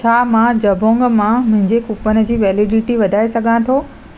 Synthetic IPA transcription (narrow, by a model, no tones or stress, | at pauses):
t͡ɕʰaːmãd͡ʑɐbʱõːŋɡmãmʊ̃ɦɪ̃ɲd͡ʑekupənɪ̆d͡ʑiːʋɛːlɪɖɪʈiʋɐd̪ʱaːesɐɡʱãt̪ʰoː